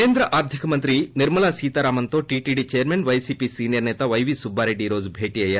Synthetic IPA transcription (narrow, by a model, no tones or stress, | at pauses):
eːnd̪ɾɐʔaːɾd̪ʱikɐmɐnt̪ɾiniɾmɐlaːsiːt̪ɐɾaːmɐnt̪oːʈiːʈiːɖit͡ʃejɐɾmeːnʋɐjsiːpisiːnijɐɾnɛːt̪ɐʋɐjʋisubːaːɾeɖːiːɾo̞ːd͡ʒubʱeːʈiːɐjaːɾ